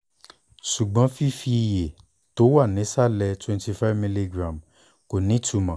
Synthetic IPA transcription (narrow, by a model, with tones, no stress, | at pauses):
ʃu˨ɡ͡bɔ̃˨˦fi˦fi˧i˧je˨ | to˨˦wa˦˨nĩ˨˦sa˦˨lɛ˧twɛ̃˧nti˧fa˦vmĩ˧li˧ɡɾã˨m | ko˨nĩ˨˦tu˧˦mã˨